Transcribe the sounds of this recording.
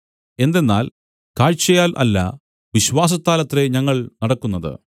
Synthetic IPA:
e̞nd̪e̞nːa̰ːl | kaːɻt͡ɕːɐjaːlʔɐ̰lːɐ̰ | ʋiɕʋaːs̬ɐst̪ːaːlɐt̪ːre̞ɲɐŋːɐɭnɐɽɐkːunːɐðɨ̰

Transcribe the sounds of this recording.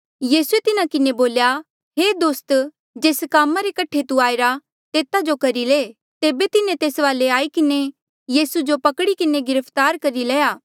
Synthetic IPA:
jiːsuet̪ɪnakɪneboːlja | ɦeːd̪oːst̪ | d͡ʒeːskaːmaɾekɐʈʰet̪uaːeɾa | t̪eːt̪ad͡ʒokɐɾileː | t̪eːbet̪ɪnẽt̪eːsʋaːleaːikɪne | jiːsud͡ʒopɐkɽikɪneɡɪɾəpʰt̪aːɾkɐɾileːjaː

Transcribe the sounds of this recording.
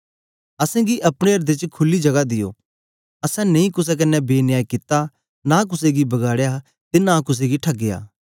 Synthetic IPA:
ɐsɛ̃ɡiʔɐpɽ̃eɐɾd̪et͡ʃkʰʊlːid͡ʒɐɡad̪ɪjo̰ː | ɐsɛ̃nɐ̃ĩkʊs̬ɛk̬ɐnɛbeːnɪjaːikɪt̪a | nãk̬ʊs̬eɡibɐɡaːɽja | t̪enãkʊs̬eɡiʈʰɐɡːɪja̰ː

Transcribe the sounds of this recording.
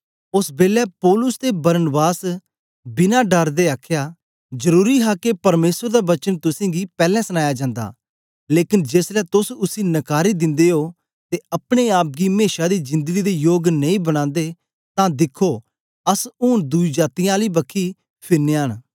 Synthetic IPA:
ʊsbeːlɛːpɔːlʊst̪eːbəɾənbaːs | bɪnaːɖəɾd̪eːaːkʰjaː | d͡ʒəɾuːɾiːɦaːkepɐɾmeːsəɾd̪aːbət͡ʃənt̪ʊsẽːɡiːpɛːlɛ̃ːsənaːjaːd͡ʒãːnd̪a̰ː | leːkɪnd͡ʒeslɛːt̪ʊsʊsĩːnəkaːɾiːd̪ɪ̃nd̪eːɦoː | t̪eəpɽ̃eːaːp̚ɡiːmeːʃaːd̪iːd͡ʒɪ̃nd̪əɡiːd̪eːjoːɡnəĩːbəɽ̃ãːnd̪eː | t̪ãːd̪ɪkʰːoː | ɐsʊːnd̪uid͡ʒaːt̪ijãːliːbəkʰːiː | pʰɪɾneːɦən

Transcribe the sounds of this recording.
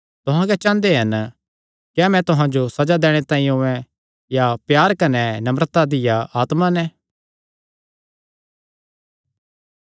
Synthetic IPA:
t̪ʊɦãkɛt͡ʃãːnd̪eɦɐn | kjamɛ̃t̪ʊɦãd͡ʒosɐd͡ʒad̪ɛːɽ̃et̪ãːĩʊ̃ɛ̃ | japjaːɾkɐnɛnɐmɾət̪ad̪ɪjaaːt̪manɛ̃

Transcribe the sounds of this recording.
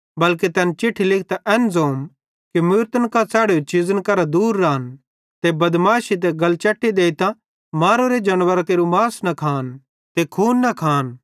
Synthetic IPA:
bɐlket̪ɛːnt͡ʃɪʈʰːilɪk̚ʰt̪aʔɛːnzoːm | kimʊɾt̪ənkat͡sɛːɽeot͡ʃɪzənkɐɾad̪uːɾːaːn | t̪ebɐd̪maːʃit̪̬ɛɡɐlt͡ʃɐʈːid̪eːit̪ã | maːɾoɾed͡ʒɐnʋəɾakeːɾumaːsnɐkʰaːn | t̪ekʰuːnːɐkʰaːn

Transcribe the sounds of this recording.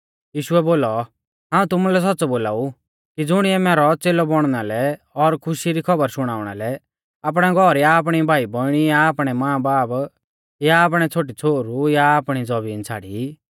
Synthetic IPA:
jiːʃʊɛboːlɔ | ɦãːũt̪ʊmulɛs̬ɔtːt͡sɔboːlaːu | kid͡zʊɽ̃iɛmɛːɾɔt͡seːlɔbɔɽ̃nalɛ | ɔɾkʰʊʃiɾikʰɔbəɾsʊɽ̃aːʊɽ̃a̰lɛ | ap̬ɽ̃ɛɡʱɔɾjaːp̬ɽ̃ibʱaːibɔɽ̃ijaːpɽ̃ɛmãːbaːb | jaːp̬ɽ̃ɛt͡sʰoːʈ̬it͡sʰoːɾujaːpɽ̃id͡zɔbiːnt͡sʰa̰ːɽḭ

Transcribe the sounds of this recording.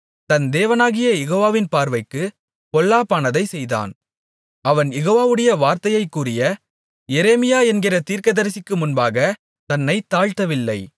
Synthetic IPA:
t̪ɐnd̪eːʋɐnaːɣɪjɐjɛɣoːʋaːʋɪnpaːɾʋɐɪkːɯ | pɔɭːaːpaːnɐðɐɪsɛjða̰ːn | ɐʋɐnjɛɣoːʋaːʋɯɽɐjɐʋaːɾt̪ɐjɐɪkːuːrɪjɐ | jɛɾeːmɪjaːɛnɡɪrɐt̪iːɾkɐðɐɾɪsɪkːɯmʊnbaːɣɐ | t̪ɐnːɐɪt̪ːaːɻt̪ːɐʋɪlːɐɪ

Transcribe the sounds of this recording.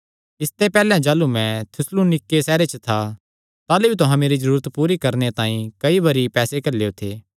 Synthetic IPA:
ɪst̪epɛːlɛ̃d͡ʒaːlumɛ̃t̪ʰʊslunɪkːesɛːɾet͡ʃət̪ʰa | t̪aːlebʱit̪̬ʊɦãmeːɾizɐɾuːɾət̪puːɾikɐɾnet̪ãːĩkɐibɐɾipɛːsekɐleot̪ʰeː

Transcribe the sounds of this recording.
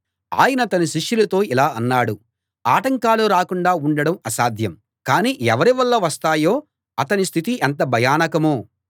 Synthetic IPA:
a̰ːjɐnɐt̪ɐniʃiʂjulɐt̪o̞ːilaːɐnːaːɽu | aːʈɐŋkaːluɾaːkuɳɖaːuɳɖɐɽɐmɐsaːd̪ʱjɐm | kaːniːʔɛʋɐɾiʋɐlːɐʋɐst̪aːjoː | ɐt̪ɐnist̪ʰit̪iʔɛnt̪̬ɐbʱɐjaːnɐkɐmoː

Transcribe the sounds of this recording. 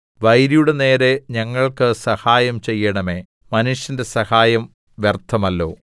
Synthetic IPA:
ʋɐjɾijuɽe̞ne̞ːɾe̞ɲɐŋːɐɭkɨsɐhaːjɐmt͡ɕe̞jːɐɳɐme̞ː | mɐnuʂjɐnde̞sɐhaːjɐm | ʋjert̪ʰːɐmɐlːo̞̰ː

